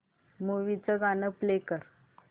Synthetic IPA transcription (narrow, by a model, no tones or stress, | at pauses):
muʋit͡səɡanəplekəɾ